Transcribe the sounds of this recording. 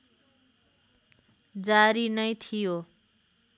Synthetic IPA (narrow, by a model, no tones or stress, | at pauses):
d͡zaɾinʌjt̪ʰijo